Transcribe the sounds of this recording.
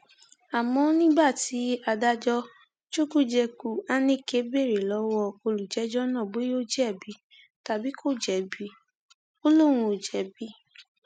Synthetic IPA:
a˨mɔ̃˧˦nĩ˦ba˦˨ti˨˦a˧da˧d͡ʒɔ˧ | t͡ʃo˦ku˦d͡ʒɛ˧ku˧a˦nĩ˦˨ke˦be˦˨ɾe˨lɔ˨˦wɔ˦ko˧lu˨d͡ʒɛ˨˦d͡ʒɔ˦nã˦˨ɡ͡be˨˦jo˦d͡ʒɛ˦˨bi˨˦ | ta˨bi˨˦kʰo˦˨d͡ʒɛ˨˦bi˨˦ | o˦lo˦˨ɾ̃ũ˧o˨d͡ʒɛ˨˦bi˦

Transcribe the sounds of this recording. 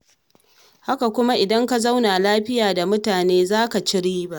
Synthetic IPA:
ha˦ka˨kʷʊ˦ma˦ʔɪ˨dɐ˦ŋka˦za˦wna˨laː˦ɸɪ˦jaː˨da˨mʊ˦taː˨neː˦zaː˦ka˨t͡ʃɪ˦ɽiː˦ba˦ʔ

